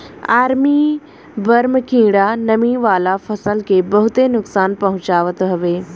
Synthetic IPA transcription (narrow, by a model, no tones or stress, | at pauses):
aːɾmi | bɐɾmkĩːɽanɐmiʋaːlafʰɐsəlkebɐɦʊt̪enʊksaːnpɐɦʊ̃t͡ʃaːʋət̪ɦɐʋeː